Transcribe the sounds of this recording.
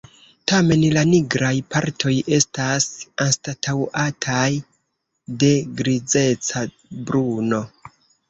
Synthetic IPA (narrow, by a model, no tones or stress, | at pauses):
tame̞nlaniɡɾajpaɾtʰo̞je̞stasanstatʰawʔatʰaj | de̞ɡɾid͡ze̞t͡sa | bɾuno̞